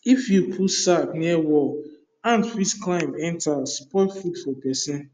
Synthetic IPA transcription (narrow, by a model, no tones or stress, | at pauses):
ifjupʰusatniɛwɔl | ãnfisklãɪ̃mɛ̃ntaspɔɪfudfɔpɛsɛ̃n